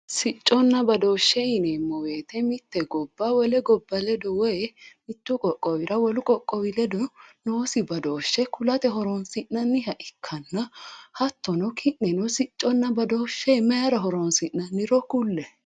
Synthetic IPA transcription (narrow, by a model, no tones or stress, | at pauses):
sɪt͡ʃʼːɔnːɐbɐd̪oːʃːɛɪnemːɔweːt̪ɛmɪt̪ːɛɡɔbːawɔlɛɡɔbːɐlɛd̪ɔwɔjɛmɪt̪ːukʼɔkʼːɔwɪɾɐwɔlʊkʼɔkʼːɔwɪlɛd̪ɔnoːsɪbɐd̪oːʃːɛkʊlɐt̪ɛɦɔɾonsɪnːɐnːɪhɐʔɪkʰːɐnːɐhɐt̪ːɔnɔkʰɪʔnːɛnɔsɪt͡ʃʼːɔnːɐbɐd̪oːʃːɛmɐjɐɾɐɦɔɾonsɪnːɐnːɪɾɔkʊlːɛ